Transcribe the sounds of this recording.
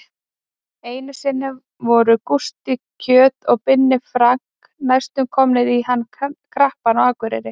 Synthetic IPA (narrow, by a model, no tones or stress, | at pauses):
eːjnɪsɪnːɪ | vɔɾʏkust̪icʰœːt̪ɔɣpɪnːɪfɾaŋ̥k | najst̪ʏmkʰɔmnɪðihanːkʰɾahpanawaːkvʏɾɪ̰ɾɪ